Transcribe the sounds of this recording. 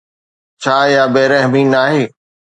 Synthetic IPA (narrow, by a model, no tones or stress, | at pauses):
t͡ɕʰaːjaːbeːɾẽːɦəmiːnaːɦeː